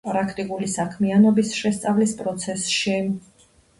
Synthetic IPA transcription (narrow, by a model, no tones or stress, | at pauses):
pʼɾakʰt̪ʼikʼulisakʰmianɔbisʃɛst̪sʼavlispʼɾɔt̪sʰɛsʃi